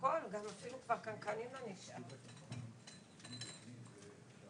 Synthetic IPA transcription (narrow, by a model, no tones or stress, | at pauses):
konɡamafilukvaʁkankanimlaniʃʔam